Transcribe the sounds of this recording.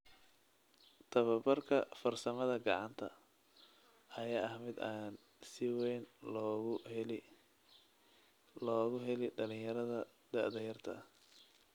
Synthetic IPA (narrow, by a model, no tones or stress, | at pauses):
t̪ʰɐβɐbɐrkʰɐfɐrsɐmɐðɐɡɑʕɑnt̪ʰɐ̰ | ɐjaːɐhmɪd̪aːn | sɪwɛjn | l | lɔːɣʊɦɛlɪɖɐlɪjjɐɾɐðɐ | d̪̥ɐʕd̪ɐjɐrt̪ʰɐ̰h